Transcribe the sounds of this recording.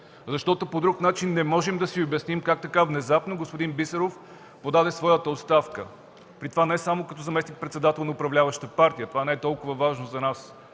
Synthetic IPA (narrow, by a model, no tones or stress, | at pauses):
zɐʃt̪ɔt̪opod̪ɾuknat͡ʃinːɛmɔʒɛmd̪ɐsiobɛsnimkak̚t̪ɐkavnɛzapnoɡospod̪inbisɛɾof | pod̪ad̪ɛsvɔjət̪əot̪st̪afkə | pɾit̪ovanɛɛsamokɐt̪ɔzɐmɛsnik̚pɾɛt̪sɛd̪at̪ɛlˠnɐʊpɾɐvlʲavəʃt̪əpaɾt̪ijət̪ovanɛɛt̪ɔlˠkʊvəvaʒnozɐnas